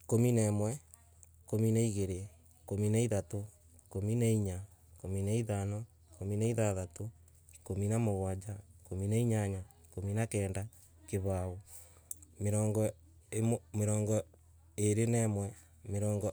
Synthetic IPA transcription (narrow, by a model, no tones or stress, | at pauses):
kominɛmwɛ | kominaiɣeɾe | kominaiðato | kominaiɲakominaiðanɔ | kominaiðaðato | kominamoɣwad͡ʒakominaiɲaɲa | kominakɛːnda | keβao | meɾɔːŋɡɔ | emmeɾɔːŋɡɔ | eɾenɛmwɛ | meɾɔːŋɡɔ